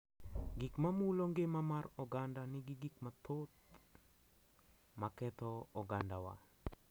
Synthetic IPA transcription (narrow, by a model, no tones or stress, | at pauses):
ɡikmamuloŋɡemamarɔɡandanɪɡiɡik̚mat̪ot̪̚ | makɛt̪ɔɔɡandawa̰